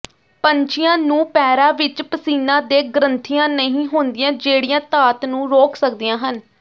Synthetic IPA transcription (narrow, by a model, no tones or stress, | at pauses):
pəɲt͡ʃɪjãːnũːpɛːɾaːʋɪt͡ʃpəsiːnãːd̪eːɡəɾənt̪ʰijãːnəɦĩːɦoːnd̪ijãːd͡ʒeːɽijãːt̪aːt̪nũːɾoːksək̚d̪ijãːɦən